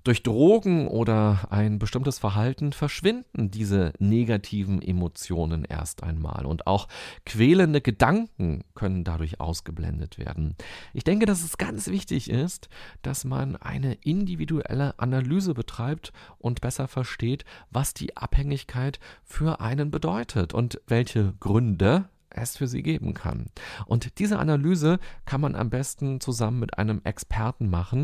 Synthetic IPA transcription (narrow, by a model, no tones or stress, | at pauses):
d̥ʊɐçd̥ʁoːɡŋ̩ʔoːɾɐʔaɪnbəʃtɪmtəsfɛɐɦaltn̩fɛɐʃv̥ɪndn̩diːzəneɡatʰiːvn̩ʔemot͡sjoːnənʔḛːɐstʔa̰ɪnma̰ːlʊ̰nta̰ʊxkv̥ɛːləndəɡədaŋkŋ̩kʰœnəndadʊɐçʔa̰ʊsɡ̥əblɛ̰ndətv̥ḛːɐdn̩ʔɪçd̥ɛŋkədas̬ɛsɡ̥ant͡sv̥ɪçtɪçɪstd̥asma̰nʔa̰ɪnəʔɪndividuʔɛ̰ləʔanalyːzəbətʁ̥aɪp̚tʔʊntb̥ɛsɐfɛɐʃteːtvasd̥ḭːʔa̰phɛŋɪçkʰaɪtfyːɐʔaɪnənbədɔʏtʰətʊ̰ntv̥ɛlçəɡ̥ʁʏndə | ʔɛsfyːɐzḭːɡeːbm̩kʰa̰nʔʊntd̥iːzəʔa̰nalyːzəkʰanmanʔa̰mbɛstn̩t͡suzamənmɪtʔa̰ɪnəmʔɛ̰kspʰɛɐtn̩maχn̩